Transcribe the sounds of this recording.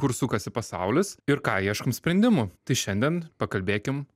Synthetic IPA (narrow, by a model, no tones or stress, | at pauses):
kʊɾsʊkɐsʲɪpɐsɐʊlʲɪsɪɾkɑːiɛʃkɐmsʲpʲɾʲɛnd̪ʲɪmʊt̪ɐɪʃʲɛnʲd̪ʲɛnpɐkɐlʲbʲeːkʲɪm